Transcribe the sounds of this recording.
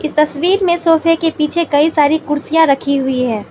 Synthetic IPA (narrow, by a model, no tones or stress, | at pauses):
ɪst̪ɐsʋiːɾmẽsoːfʰekepiːt͡ʃʰekɐisaːɾikʊɾsijãɾɐkʰiɦʊiɦɛː